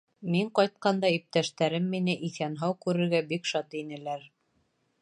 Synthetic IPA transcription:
miɴqɑjt̪̚qɑnd̪ɑip̚t̪æʃt̪æɾɘmːinɘʔiθænɦɑwkʉɾɘ̆ɾɡæbikʃɑt̪inɘ̆læɾ

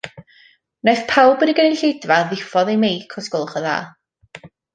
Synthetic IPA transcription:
najθpʰawbəniɡənɪnɬejdvaðɪfɔðejmejkʰɔsɡɔlˠχəða̰ː

